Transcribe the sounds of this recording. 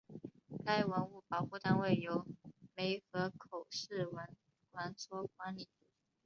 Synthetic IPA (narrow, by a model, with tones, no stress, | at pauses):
k̪a˥˩ɪwə˧˥nu˥˩pɑ˨˩ʊxu˥˧t̪a˥˧nwe˥˩ɪjo˧˥ʊme˧˥ɪxɤ˧˥kʰo˨˩ʊʂɻ̩˥˩wə˧˥n | kwa˧˥nt͡sʰwɔ˥kwa˧˥nli˨˩˥